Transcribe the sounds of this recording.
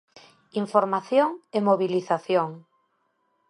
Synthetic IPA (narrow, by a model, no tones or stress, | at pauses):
iɱfoɾmaθjoŋemoβiliθaθjoŋ